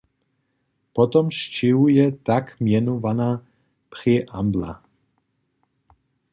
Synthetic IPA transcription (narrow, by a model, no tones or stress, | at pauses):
pɔt̪ɔmʃciujɛt̪akmjɛnɔvana | priʔambla̰